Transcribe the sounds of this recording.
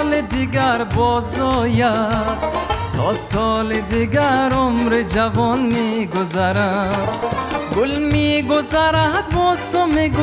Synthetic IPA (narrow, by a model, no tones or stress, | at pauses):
led̪iɡaɾbɔzɔːja | t̪ʰɔsɔːled̪iɡaɾomɾed͡ʒabɔnmeɡʊzaɾã | ɡʊlmiɡʊzaɾãbɔsomeɡʊ